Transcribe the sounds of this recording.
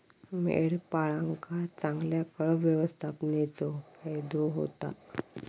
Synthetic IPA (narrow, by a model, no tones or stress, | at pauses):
mḛɽpaɭãŋkat͡sãŋɡljakəɭəʋjəʋəst̪ʰapnet͡sɔkajd̪ɔɦo̰t̪a̰